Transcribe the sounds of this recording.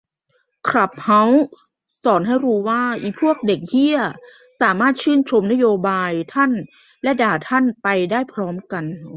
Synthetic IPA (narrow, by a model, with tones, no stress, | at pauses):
kʰɾa˨˩p̚ha˦˥w | sɔː˩˦nɦa˥˩jɾuː˧waː˥˩ʔḭː˨˩pʰu˥˩ək̚de˨˩k̚hi˧˥˩ɐ | saː˩˦maː˥˩t̪̚t͡ɕʰɯː˥˩nt͡ɕʰo˧mna˦˥˨joː˧baː˧jt̪ʰa˥˩˨n | lɛ˦˥daː˨˩t̪ʰa˥˩˨npa˧jdaː˥˩jpʰɾɔː˦˥mka˧n